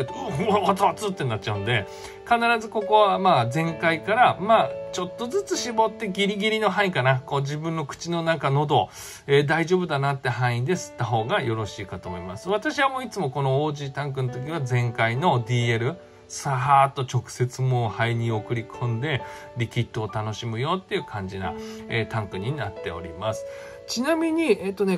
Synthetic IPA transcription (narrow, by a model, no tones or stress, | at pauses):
t̪at͡sat͡sɨt̪ːe̞nat̚ːt͡ɕaɯ̟̃nd̪e̞ | kanaɾazɨko̞ko̞βamaːd͡zẽ̞ŋkaikaɾamaːt͡ɕo̞t̪ːo̞zɨt͡sɨɕibo̞t̪ːe̞ɡʲiɾʲiɡʲiɾʲino̞ɦãikanako̞ːʑibɯ̟̃nːo̞kɯ̟̥t͡ɕino̞nãŋkano̞d̪o̞ | ed̪aiʑo̞ːbɯ̟d̪anat̪ːeɦãɰ̃ĩd̪e̞sɨ̥t̪ːaɦo̞ːɡajo̞ɾo̞ɕiːkat̪o̞ːmo̞ima̰sɨβat̪aɕiβamo̞it͡sɨmo̞ko̞no̞oːʑiːt̪ãŋk̬ɯ̟not̪̬o̞k̬ʲiβad͡zẽ̞ŋkaino̞d̪ʲiːe̞ɾɯ̟ | saɦaːt̪ːo̞t͡ɕo̞kɯ̟̥se̞t͡sɨmo̞haiɲ̟io̞kɯ̟ɾʲikʰõ̞nd̪e̞ | ɾʲikʲit̪ːo̞ːt̪ano̞ɕimɯ̟jo̞t̪ːe̞iɯ̟kʰãɲ̟d͡ʑina̰ḛːt̪ãŋkɯ̟ɲ̟inat̪ːe̞̰o̞̰ɾʲḭmasɨ̥ | t͡ɕinamʲiɲ̟ieːt̪ːo̞ne̞